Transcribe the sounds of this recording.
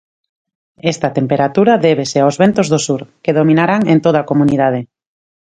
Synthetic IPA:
est̪at̪empeɾat̪uɾaðeβeseaozβent̪ozðosuɾkeðomĩnaɾaŋent̪oðakomuniðað̞e

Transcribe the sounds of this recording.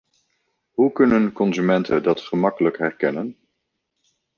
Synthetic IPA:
ɦukɵnənkɔnzymɛntʰədɑtχəmɑkələkɦɛɹkɛnən

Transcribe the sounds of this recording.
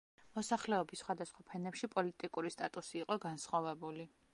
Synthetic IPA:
mɔsaχlɛɔbisχwad̪asχwapʰɛnɛpʃipʼɔlit̪ʼikʼuɾist̪ʼat̪ʼusiːqʼɔɡansχɔvɛbuli

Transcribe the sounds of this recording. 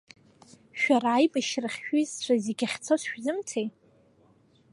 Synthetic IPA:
ʃᶣaraːjbaʃrɨχʲʃᶣizʂʷaziɡʲaχʲt͡sʰosʃᶣzɨmtʰej

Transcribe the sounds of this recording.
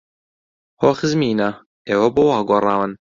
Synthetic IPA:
hoːxɨzmiːnɐ | ʔeːwɐboːwaːɡʷorˤɑːwɨn

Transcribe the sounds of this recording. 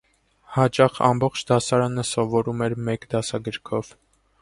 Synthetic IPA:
hɑt͡ʃɑχɑ̰mbɔχt͡ʃʰd̪ɑsɑɾɑnəsɔvɔɾumɛɾmɛkd̪ɑsɑɡəɾkʰɔv

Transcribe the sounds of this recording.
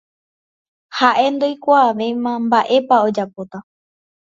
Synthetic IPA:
haʔe̞nd̪ojkʷaːʋe̞jmãmbaʔe̞pao̞d͡ʒapo̞t̪a

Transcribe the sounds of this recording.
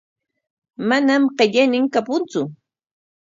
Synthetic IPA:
manamɢeʎajnɪŋkapʊnt͡sʊ

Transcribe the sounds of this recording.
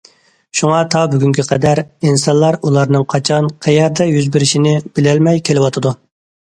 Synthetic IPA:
ʃuŋɑt̪ʰɑbyɡʲyŋkʲʰiqʰɛd̪æɾinsɑnlˠɑɾulˠɑɾnɨŋqʰɑt͡ʃʰɑnqʰɛjɛɾd̪ɛjyzbɪɾɪʃinɪb̥ɪlɛlmɛjkʲʰelɪwɑt̪ʰɨd̪u

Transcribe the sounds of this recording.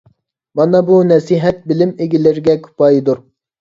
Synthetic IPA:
mɑnɑbunɛsiɦɛt̪̚bɪlɪmeɡʲɪlɪɾɡʲɛkʲʰy̥pʰɑjd̪uɾ

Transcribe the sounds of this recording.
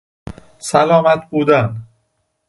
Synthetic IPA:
sælɒːmæt̪̚ʰbuːd̪æn

